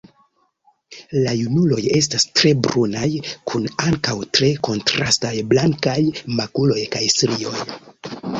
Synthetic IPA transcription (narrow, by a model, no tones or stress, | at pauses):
lajunulo̞je̞stastɾe̞bɾunajkʰunaŋkawtɾe̞ko̞ntɾastajblaŋkajmakulo̞jkajsɾio̞̰j